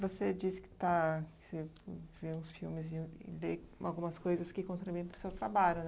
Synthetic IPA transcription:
vosed͡ʒiskɪ̥t̪akɪ̥seveũsfiwmɪzɪɪ̰lea̰wɡũmɐskojzɐskɪkõnt̪ɾiujɐ̃pɾʊ̥sewt̪ɾabalʊn

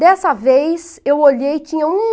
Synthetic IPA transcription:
d̪ɛsɐvejsewoʎejt͡ʃĩɲɐũ

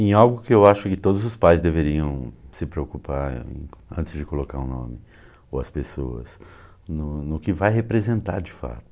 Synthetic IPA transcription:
ẽj̃awɡʊkɪewaʃʊkɪt̪od̪ʊzʊspajzd̪eveɾiɐ̃w̃sɪpɾeokupaɾḛ̃ɐ̰̃nt̪ɪzd͡ʒɪkolokaɾʊ̃nõ̰mɪ | owɐspesoɐ̰s | nʊnʊkɪvajɦepɾezẽnt̪a̰ɾd͡ʒɪfa̰t̪ʊ̥

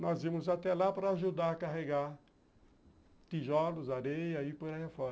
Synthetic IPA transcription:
nɔzimʊzat̪ɛlapɾɐːʒud̪aɾɐkaɦeɡaɾ | t̪iʒɔlʊzaɾejɐipoɾɐhefɔɾ

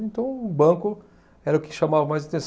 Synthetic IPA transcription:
ẽt̪ɐ̃w̃ʊbɐ̃kʊ | ɛɾɐʊkɪ̥ʃamavɐmajzɐt̪ẽs

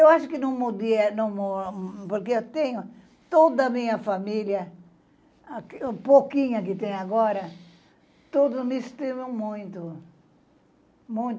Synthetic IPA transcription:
ewaʃʊkɪnõwmod̪iɐnɐ̃w̃mopoɾkeet̪ẽɲʊ | t̪od̪ɐmĩɲɐfamiljɐ | kpokĩɲɐk̬ɪt̪ẽj̃aɡɔɾɐ | t̪od̪ʊmest̪imɐ̃mũj̃t̪ʊ | mũj̃t̪

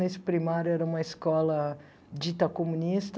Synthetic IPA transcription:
nesɪ̥pɾimaɾjʊɛɾɐũmɐiskɔlɐ | d͡ʒit̪ɐkomũnist̪

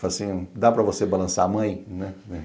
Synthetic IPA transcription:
alɐsĩd̪apɾɐvosebalɐ̃saɐmɐ̃j̃nɛɛ

